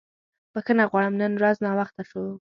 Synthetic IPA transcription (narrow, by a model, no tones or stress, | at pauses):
pəxənaɣwɑɽəmnənɾaznɑwaxt̪aʃow